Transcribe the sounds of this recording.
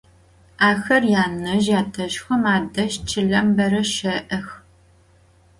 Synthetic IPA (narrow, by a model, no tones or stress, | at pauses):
aːxɐrjaːnɐʒjaːtʰɐʃxʷɐmaːdɐʃt͡ʃʰɪɮɐmbɐɾɐʃɐʔɐx